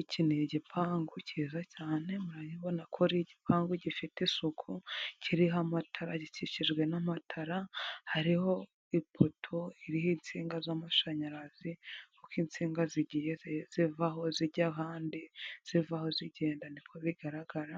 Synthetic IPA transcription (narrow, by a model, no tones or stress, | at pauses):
icʰiniɟipʰaːŋɡuciːzacaːne̞muɾajiβo̞nakʰoɾiɟipʰaːŋɡuɟifitisukʰuciɾiɦamatʰaɾaɟiciʃiʒɡwe̞namatʰaɾahaɾiho̞ | ipʰotʰo̞iɾihiːnt͡siːŋɡazamaʃaɲaɾazikukiːnt͡siːŋɡaziɟijez̥ivaho̞ziɟaɦaːndiz̥ivaho̞ziɟe̞ːndanipkoβiɡaɾaɡaɾa